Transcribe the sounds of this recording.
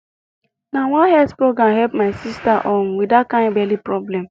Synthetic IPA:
nawɔ̃nhɛspɹoɡɾãmɦɛlpmaɪsistaʔɔnwidakãɪ̃nbɛlipɹɔblɛ̃m

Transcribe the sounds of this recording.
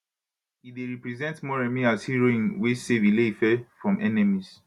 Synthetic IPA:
ideɹipɹɛzɛ̃ntmɔɹɛ̃miashiɹoĩnwesevilefɛfɹɔ̃mʔɛnɛmis

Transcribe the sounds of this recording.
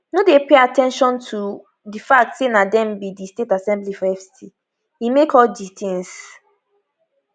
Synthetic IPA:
nodepeatɛ̃nʃɔ̃ntʰu | difak̚tsenadɛ̃mbidistetasɛ̃mblifɔɛfssi | imekʰɔlditʰĩns

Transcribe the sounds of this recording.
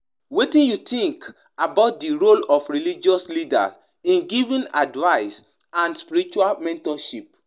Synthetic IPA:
wetĩnjut̪ĩŋk | abaʊt̚diɹolɔfɹilid͡ʒiɔslida̰ | ĩnɡivĩna̰dvaɪs | ãnspiɾit͡ʃualmɛ̃ntɔʃip

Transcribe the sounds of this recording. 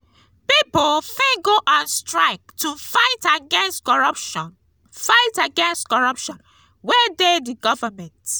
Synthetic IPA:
pipɔlfĩɡoʔãnstɹaɪk̚tʰufaɪtaɡɛ̃nstkɔɹʌpʃɔ̃n | faɪtaɡɛ̃nstkɔɹʌpʃɔ̃n | wɛdediɡɔvəmɛ̃nt

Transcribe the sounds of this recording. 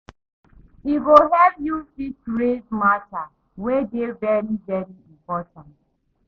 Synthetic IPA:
iɡoɦɛpjudisɾedmata | wedevɛɾivɛɾiĩmpɔtãnt

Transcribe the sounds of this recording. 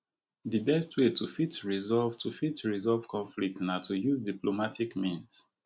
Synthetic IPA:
ðibɛstʰwetʰufitɹizɔlvtʰufitɹizɔlv̥kʰɔ̃ɱflik̚tnatʰujuzdiplomatʰikmĩns

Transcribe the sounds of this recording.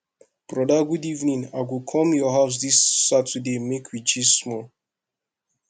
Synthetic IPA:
b̥ɹɔdaɡudivnĩnaɡukʰɔ̃mjɔɦaʊs̬disːatʰədemekʰwit͡ʃizsmɔl

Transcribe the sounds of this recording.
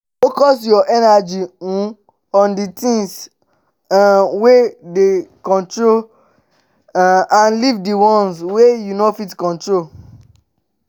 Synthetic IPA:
fokɔsjɔʔɛnad͡ʒiũ | ɔ̃nditĩŋs | wedekɔ̃ntɹol | ãnlivdiwɔ̃nswejunofitkɔ̃ntɹo

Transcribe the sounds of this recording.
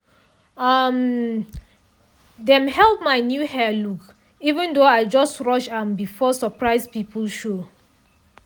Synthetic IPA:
ʌm | dɛ̃mhɛlˠp̚maɪnjuhɛluk | ivə̃ndoaɪd͡ʒɔstɹɔʃambifɔsəpɹaɪzpipʰəlʃo

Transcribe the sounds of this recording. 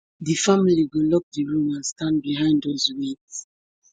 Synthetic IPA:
ðɨfamiliɡolɔk̚dəɹũmãnstãndbiɦãɪ̃ndozwets

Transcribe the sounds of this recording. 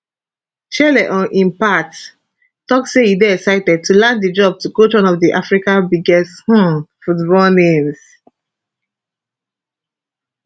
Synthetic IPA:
t͡ʃɛlɛʔɔ̃nʔĩmpat | tɔkseidɛɛsaɪtɛd̚tʰulãnddid͡ʒɔb̚tukot͡ʃwãnɔvdiʔafɹikãnbiɡɛsthɔ̃futbɔlnẽms

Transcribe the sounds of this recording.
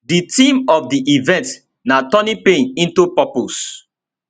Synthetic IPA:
ditĩmɔfdiʔivɛ̃nt | natɔnipẽnĩntupɔpos

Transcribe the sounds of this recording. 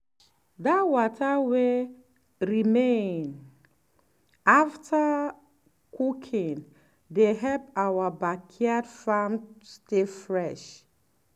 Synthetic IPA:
datwɔtʰawe | ɹimẽn | aftʰa | kʰukʰĩn | deɦɛlp̚awabakʰiadfamstefɹɛʃ

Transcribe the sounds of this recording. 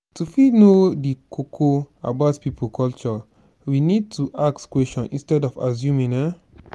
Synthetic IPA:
tufinodikʰokʰoa̰baʊtpipʰukʰɔlt͡ʃɔ | winid̚tʰuʔaktkwɛsɔ̃nʔḭ̃nstɛdɔfa̰sjũmĩna

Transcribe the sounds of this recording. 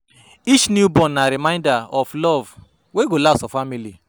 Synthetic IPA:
it͡ʃnjubɔ̃nːaɾimãɪ̃ndaɔflɔv | weɡolasɔfamili

